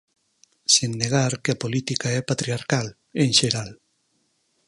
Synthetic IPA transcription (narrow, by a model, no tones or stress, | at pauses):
senːeɣ̞aɾkeapolit̪ikaɛpat̪ɾiaɾkal | eŋʃeɾal